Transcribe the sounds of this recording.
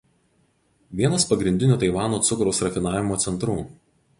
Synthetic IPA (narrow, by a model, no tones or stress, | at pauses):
ʋʲiɛnɐspɐɡɾʲɪnʲd̪ʲɪnʲuːt̪ɐɪʋɑːnoːt̪sʊkɾɐʊsɾɐfʲɪnɑːʋʲɪmoːt̪sʲɛnt̪ɾuː